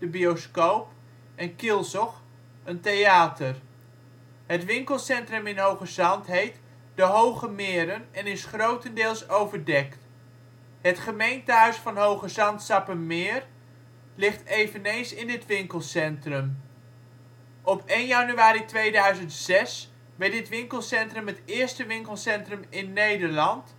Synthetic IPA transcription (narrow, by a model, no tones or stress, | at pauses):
d̥əbioskowp | ɛnkɪlˠsɔχ | əntejaːtər | ɦətʋɪŋkəlˠsɛntrɵmɪnɦowχəzɑntɦejt | dəɦowχəmɪːɾənɛnɪsχrowtəndɪːlˠsowvəɹdɛkt | ɦətχəmejntəɦœɥsfɑnɦowχəzɑntsɑpənmɪːɹ | lɪχtejvənejnsɪndətʋɪŋkəlˠsɛntrəm | ʔɔpejnjɑnyaːɾitʋejdœɥzəntsɛs | ʋɛɹtdɪtʋɪŋkəlˠsɛntrəmɦətɪːɹstəʋɪŋkəlˠsɛntrəmɪnːejdəɹlɑnt